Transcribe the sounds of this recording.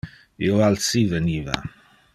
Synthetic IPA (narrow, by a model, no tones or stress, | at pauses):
joalsivəniva̰